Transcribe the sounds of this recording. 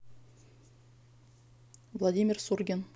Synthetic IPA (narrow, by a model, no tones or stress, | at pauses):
vlˠad̪ʲimʲɪrsurɡʲen